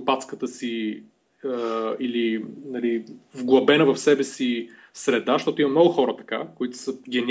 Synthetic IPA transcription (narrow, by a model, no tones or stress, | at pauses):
pat̪skət̪əsi | əilinɐlivɡlˠɐbɛnəvəfsɛbɛsi | sɾɛd̪aʃt̪ɔt̪ʊimɐmnɔɡʊxɔɾət̪ɐ̥kakoit̪ʊ̥səɡʲɛnʲ